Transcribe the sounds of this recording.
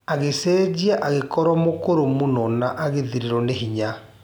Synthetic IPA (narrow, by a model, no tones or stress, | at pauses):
aɣesɛːd͡ʑiaʔaɣekɔɾwɔmokoɾomonɔnaʔaɣeðiɾeɾɔneɦiɲa